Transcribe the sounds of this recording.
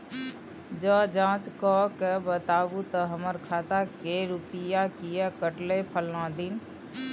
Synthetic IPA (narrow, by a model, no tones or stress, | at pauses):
d͡ʒɔd͡ʒãːt͡ʃkɔkebət̪aːbut̪əɦəməɾkʰaːt̪akeɾupijakijakəʈlepʰəlnãd̪in